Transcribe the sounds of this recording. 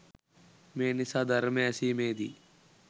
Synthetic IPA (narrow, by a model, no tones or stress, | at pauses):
meːnisad̪ɐɾmesiːmeːd̪ḭː